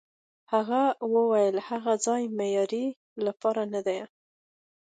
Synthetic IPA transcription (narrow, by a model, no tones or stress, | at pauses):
haɣawəwajəlhaɣad͡zɑjmejɑɾi | lapɑɾanad̪aj